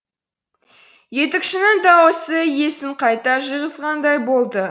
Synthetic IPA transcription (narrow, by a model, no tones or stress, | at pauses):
je̞t̪ɪkʃɪnɪŋd̪ɑwosəje̞sɪɴqʰɑjt̪ɑʒəʁəzʁɑnd̪ɑjbo̞lˠd̪ə